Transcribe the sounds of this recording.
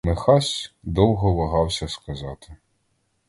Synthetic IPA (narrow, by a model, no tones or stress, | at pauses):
mexɑsʲd̪ɔwɦɔʋɐɦɑwsʲɐskɐzɑt̪ɪ̥